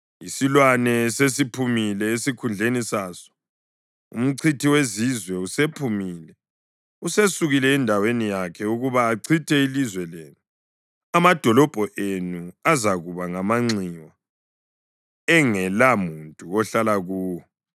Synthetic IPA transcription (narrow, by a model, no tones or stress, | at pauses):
isilwanɛsesipʰumilɛesikʰund͡ɮʱenisaːsɔ̥ | ṵm̩ǀʰitʰiwezizwɛusepʰumiːlɛ | usesuɣilɛːndʱawenijakʰɛuɣuβaːǀʰitʰɛilizwɛleːnu | amad̥ʱɔlɔb̥ʱɔʔenuazaɣuβaŋamaŋ͡ǀiwa | ɛŋɛlamuntʼuɔɬalaɣuːwɔ